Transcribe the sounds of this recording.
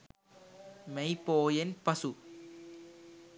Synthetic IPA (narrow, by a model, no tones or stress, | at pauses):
mɛɪpoːjenpɐsu